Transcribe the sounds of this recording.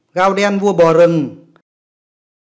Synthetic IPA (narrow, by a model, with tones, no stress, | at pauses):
ɣaː˧˨wdɛː˧˨nwu˧˩əbɔː˨˩ɾɯ˧˨ŋ